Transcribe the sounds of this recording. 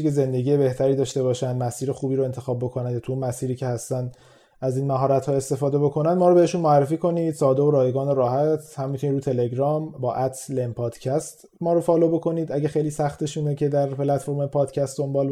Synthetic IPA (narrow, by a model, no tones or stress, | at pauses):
ikeze̞nd̪e̞ɟiːje̞be̞ht̪ʰæɾiːd̪ɒːʃt̪e̞βɒːʃænd̪mæsiːɾexuːbiːɾo̞e̞nt̪ʰe̞xɒːb̚bo̞kʰo̞nænd̪jɒt̪ʰuuːnmæsiːɾiːcʰe̞hæst̪ænd̪ | æziːnmæɦɒːɾæt̪hɒːe̞st̪e̞fɒːd̪e̞bo̞kʰo̞nænd̪mɒːɾobe̞heʃuːnmoærːe̞fiːko̞niːd̪̥sɒːd̪ooɾɒːjeɡɒːnoɾɒːhæt̪ʰhæmːit̪ʰunid̪ɾuːt̪ʰe̞le̞ɡɾɒːmbɒːʔæt̪ʰlempʰɒːd̪̥cʰæst̪ | mɒːɾofɒːlobo̞kʰo̞niːd̪æɟæxejliːsæxt̪e̞ʃuːnecʰe̞d̪æɾpelæt̪fo̞ɾmepʰɒːd̪̥cʰæst̪d̪o̞mbɒːl